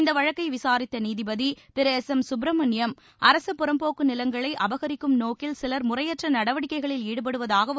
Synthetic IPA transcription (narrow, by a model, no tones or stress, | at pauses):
ɪnd̪ɐʋɐɻɐkːɐɪʋɪsaːɾɪt̪ːɐniːðɪbɐðip̪ɪɾɐːsɛmsʊbɾɐmɐnɪjɐm | ɐɾɐsɐpːʊɾɐmpoːkːɯnɪlɐŋɡɐɭɐɪʔɐbɐɣɐɾɪkːɯmnoːkɪlsɪlɐɾmʊrɐjɐʈrɐnɐɽɐʋɐɽɪkːɐɪɣɐɭɪliːɽɯp̬ɐɽɯʋɐðaːɣɐ